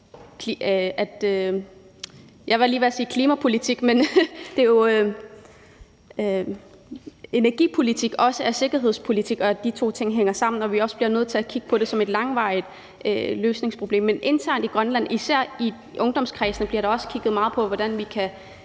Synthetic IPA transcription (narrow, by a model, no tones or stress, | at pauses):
kʰliæd̥ | jɑ̈ɪʋeliːʋeɐsiːkʰliːmæpʰo̝lit͡sʰiɡ̥mend̥e̝jo̝ | e̝næɐɡ̥ḭːpʰo̝lit͡sʰiɡ̥ɒ̽səæse̝ɡ̥ɐɦe̝ð̞̰ˠspʰo̝lit͡sʰiɡ̥ɒ̽æd̥it͡sʰo̝̰ːt͡sʰe̝ŋ̰ɦeŋ̰ɐsɑ̈m̰n̩ɒ̽ʋiɒ̽səb̥liɐnøðˠt͡sʰe̝ækʰiɡ̥ə̥pʰɒ̽ɾe̝sɒ̽me̝d̥lɑ̈ŋʋɑ̈ɪð̥ˠ | øløːsne̝ŋspʰʁo̝b̥e̝̰ːmːenʔe̝nt͡sʰæɐ̰nd̥iɡ̥ʁɶnlæn̰isæɐ̰i | ʔɔ̽ŋd̥ɒ̽mskʰʁɛːsn̩b̥liɐɾ̥ɑɒ̽sə̥kʰiɡ̥ð̩ˠmɑ̈ːð̩ˠpʰɒ̽ʋɒɾ̥ænʋikʰæ